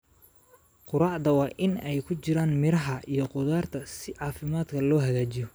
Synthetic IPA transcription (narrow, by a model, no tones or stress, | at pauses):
qʊɾɑːʕd̪ɐwɑːʔɪnɛjkʰʊt͡ʃɪɾaːnmɪɾɐɦɐʔijɞqʊðaːrt̪ʰɐsɪʕɑːfɪmaːd̪kʰɐlɔːɦɐɣaːt͡ʃijɔ